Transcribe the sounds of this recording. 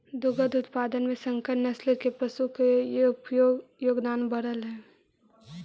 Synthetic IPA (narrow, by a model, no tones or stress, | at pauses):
d̪ʊɡəd̪ʊt̪paːd̪ənmẽsə̃ŋkənɐslekepəsukepoɡjoːɡd̪aːnbəɽəlɦɛː